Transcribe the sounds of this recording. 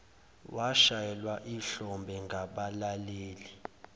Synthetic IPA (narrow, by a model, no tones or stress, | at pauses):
waʃajɛlwaʔiɬɔmbʱɛŋɡʱaɓalaleːli